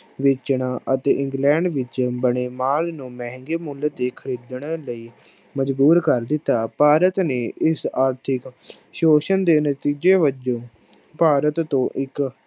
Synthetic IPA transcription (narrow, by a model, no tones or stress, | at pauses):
ʋɪt͡ʃɳaːʔət̪eːʔɪ̃ŋɡlɛ̃ːɳɖʋɪt͡ʃbəɳeːmaːlnũːmɛ̃ːɦŋɡeːmʊlt̪eːkʰəɾiːd̪ɳləiː | məd͡ʒbuːɾkəɾd̪ɪt̪ːaːpaːɾət̪neːʔɪsaːɾt̪ʰɪk | ʃoːʃənd̪eːnət̪iːd͡ʒeːʋəd͡ʒõː | paːɾət̪ːõːʔɪk